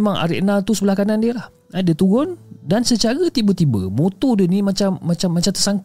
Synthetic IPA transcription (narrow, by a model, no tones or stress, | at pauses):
mãŋa̰ɾḭʔnalt̪usəbəlahkanandiəlah | adiət̪uɣʊndansət͡ʃaɣət̪ibət̪ibə̰mut̪udənimat͡ʃamːãt͡ʃamːat͡ʃamt̪əsaŋk